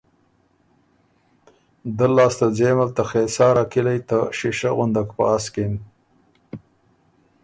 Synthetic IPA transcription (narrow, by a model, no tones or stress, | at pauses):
d̪əlːɑːst̪azeːmalt̪axeːsɑːɾakilajt̪aʃiʃaɣʊnd̪akpəaskin